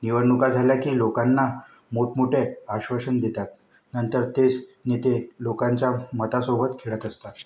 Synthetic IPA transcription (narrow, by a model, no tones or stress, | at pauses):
niʋəɽnːukad͡zʱaljakiːlokanːa | moʈmuʈʰeaɕʋəɕənd̪et̪at̪ | nənt̪əɾt̪et͡snit̪elokaɲt͡ɕjamət̪asobət̪kʰeɭət̪əst̪a